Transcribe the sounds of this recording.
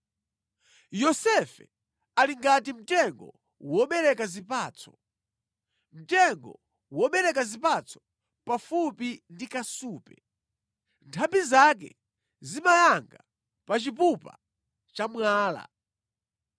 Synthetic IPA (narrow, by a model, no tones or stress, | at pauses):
jɔsɛfɛ̰ | aliŋɡatim̩tɛŋɡɔ̰ | wɔɓɛɾɛkazipaːt͡sʰɔ̥ | m̩tɛŋɡɔ̰ | wɔɓɛɾɛkazipat͡sʰɔ̥ | pafupindikasuːpɛ | ntʰambizak̬ɛ̰ | zimajaŋɡa | pat͡ʃip̬upa̰ | t͡ʃamwaːla̰